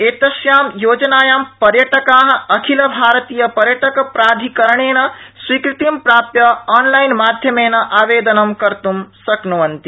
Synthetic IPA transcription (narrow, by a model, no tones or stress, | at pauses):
eːt̪ɐʃjaːmjoːd͡ʒɐnaːjaːmpɐɾjɐʈɐkaːɦ̆ɐkʰilɐbʱaːɾɐt̪iːjɐpɐɾjɐʈɐkɐpɾaːd̪ʱikɐɾɐɳ̃eːnɐswiːkɾit̪impɾaːpjɐaːnlajnmaːd̪ʱjɐmeːnɐʔaːʋeːd̪ɐnɐmkɐɾt̪umsɐknuʋɐnt̪i